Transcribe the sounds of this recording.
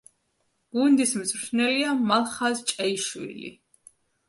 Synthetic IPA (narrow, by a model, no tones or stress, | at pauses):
ɡ̥und̪ismzɾʃʰnɛliamalˠχazt͡ʃʼɛiʃwḭlḭ